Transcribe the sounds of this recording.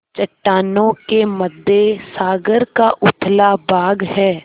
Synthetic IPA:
t͡ʃɐʈːaːnõkeməd̪ːesaːɡəɾkaʔʊt̪ʰlabaːɡɦɛː

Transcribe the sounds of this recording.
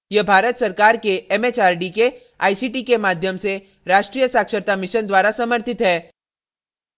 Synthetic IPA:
jebʱaːɾət̪sɐɾkaːɾkeɛmeːt͡ʃaːɾɖike | aːisiːʈikemaːd̪ʱjəmse | ɾaːʃʈɾiːjəsaːkʃəɾt̪amɪʃənd̪waːɾasɐməɾt̪ɪt̪ɦɛː

